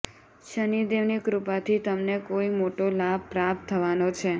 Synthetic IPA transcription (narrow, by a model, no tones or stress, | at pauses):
ʃənid̪eʋnikɾupat̪ʰit̪əmnekoimoʈolab̚pɾap̚t̪ʰːəʋanot͡ʃʰe